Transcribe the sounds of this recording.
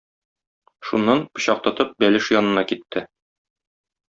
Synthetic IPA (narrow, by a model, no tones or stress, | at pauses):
ʃunːɑnpɤ̆ɕɑq̚t̪ɤ̆t̪ɤp̚bælɘʃjɒnɤ̆nɑkit̪ʰːɘ